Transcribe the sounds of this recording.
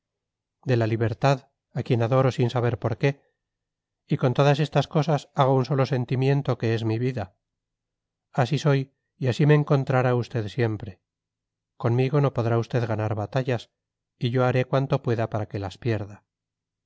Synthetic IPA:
d̪e̞laliβ̞e̞ɾt̪að | akje̞naðo̞ɾo̞sinsaβe̞ɾpo̞ɾke̞ | iko̞nt̪o̞ðase̞st̪asko̞sasaɣ̞ounso̞lo̞se̞nt̪imje̞nt̪o̞ke̞ezmiβiða | asiso̞j | iasimeːŋko̞nt̪ɾaɾaust̪e̞ðsje̞mpɾe̞ | ko̞nmiɣo̞no̞po̞ðɾaust̪e̞ðɣanaɾβat̪aʝas | iʝo̞aɾe̞kwant̪o̞pwe̞ðapaɾake̞laspje̞ɾða

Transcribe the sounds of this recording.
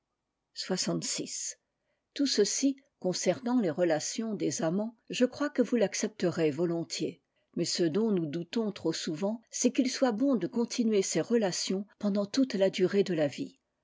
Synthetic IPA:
swasɑ̃t̪sis | t̪usəsi | kɔ̃sɛʁnɑ̃leʁəlasjɔ̃d̪ezamɑ̃ʒəkχwakəvulaksɛp̚t̪əʁevɔlɔ̃t̪je | mɛsəd̪ɔ̃nud̪ut̪ɔ̃t̪χosuvɑ̃sɛkilswabɔ̃d̪əkɔ̃t̪ʰinɥeseʁəlasjɔ̃pɑ̃d̪ɑ̃t̪ut̪lad̪yʁed̪əlavi

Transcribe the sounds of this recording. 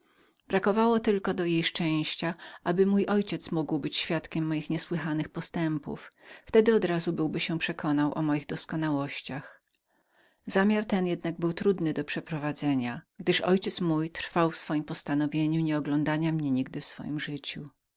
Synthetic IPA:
b̥ɾakɔvawɔt̪ɘlkɔd̪ɔjejʂt͡ʂɛ̃w̃ɕt͡ɕaʔabɘmujʔɔjt͡ɕɛt̪smuɡwbɘt͡ɕɕfʲjat̪kʲɛmːɔjixɲɛswɘxanɘxpɔst̪ɛmpṵfft̪ɛd̪ɘɔd̪ɾazubɘwbɘɕɛpʂɛkʰɔnawʔɔ̰mɔjiɣd̪ɔskɔnawɔɕt͡ɕax | zamʲjaɾt̪ɛnjɛd̪naɡ̚bɘwt̪ɾud̪nɘd̪ɔpʂɛpɾɔvad̪zɛɲaɡd̪ɘʂɔjt͡ɕɛt̪smujt̪ɾ̥fawfsfɔjimpɔst̪anɔvʲjeɲuɲɛɔɡlɔnd̪aɲamɲɛɲiɡd̪ɘfsfɔ̰jimʐɘt͡ɕu

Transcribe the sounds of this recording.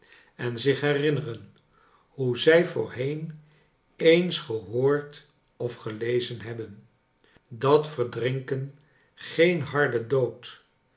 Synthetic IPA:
ɛnzɪχɦɛrɪnərən | huzɛjvʊ̰ːɹɦejn | ejnsχəɦoːɹt | ɔfχəlejzənɦɛbən | dɑtfəɹdrɪŋkən | χejnɦɑɹdədowt

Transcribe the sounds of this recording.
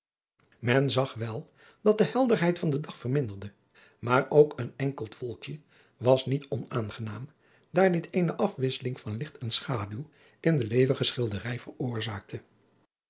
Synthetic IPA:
mɛnzɑχʋɛlˠ | d̥ɑt̚dəɦɛlˠdərɦɛjtfɑndədɑχfərmɪndərdə | maːrowkənɛŋkəlˠtʋɔlˠkjə | ʋɑsnitɔnaːnχənaːm | d̥aːɹnitʰejnəʔɑfʋɪsəlɪŋvɑnlɪχtɛnsχaːdylˠ | ʔɪndəlejvəχəsχɪlˠdərɛjvərʊːɹzaːk̚tʰə

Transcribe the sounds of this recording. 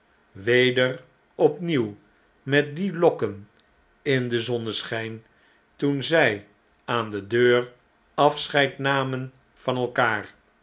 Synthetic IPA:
ʋejdər | ɔpniw | mɛt̚dilɔkən | ɪndəzɔnəsχɛjn | tunzɛj | aːndədøːr | ɑfsχɛjtnaːmən | vɑnɛlˠkaːɹ

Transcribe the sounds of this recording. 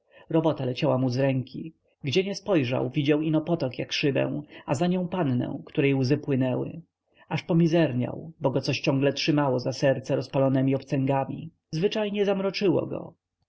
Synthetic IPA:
ɾɔbɔt̪alɛt͡ɕawamuzɾɛŋkʲʰi | ɡd͡ʑɛɲɛspɔjʐa̰wvʲid͡ʑawinɔpɔt̪ɔkjakʂɘbɛ̰̃w̃azaɲɔ̃w̃pannɛ̰w̃kt̪uɾɛjwzɘpwɘnɛwɘ̰ | aʂpɔmʲizɛɾɲa̰wbɔɡɔt̪sɔɕt͡ɕɔ̃ŋɡlɛtʂɘmawɔzasɛɾt̪sɛɾɔspalɔnɛmʲiɔpt̪sɛŋɡamʲḭ | zvɘt͡ʂajɲɛzamɾɔt͡ʂɘwɔ̰ɡɔ̰

